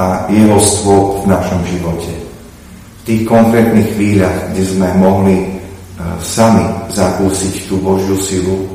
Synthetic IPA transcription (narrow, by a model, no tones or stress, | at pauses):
ajɛɦɔst̪ʋʊɔpvnaʃɔmʒiʋɔcɛ | ft̪iːxkɔŋkɾɛːt̪niːxxʋiːʎaɣɡɟɛzmɛmɔɦli | samizakuːsict̪uːbɔʒɪusilu